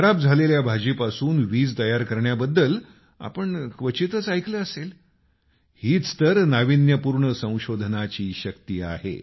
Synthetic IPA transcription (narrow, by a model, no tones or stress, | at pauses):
kʰəɾab̚d͡zʱaleljabʱad͡ʑipasuːnʋiːd͡zt̪əjaɾkəɾɳjabəd̪ːəl | a̰pəɳkʋət͡ɕit̪ət͡sajkləəsel | hiːt͡st̪əɾnaʋinjəpuɾɳəsə̃w̃ɕod̪ʱnat͡ɕiːɕəkt̪iːa̰hḛ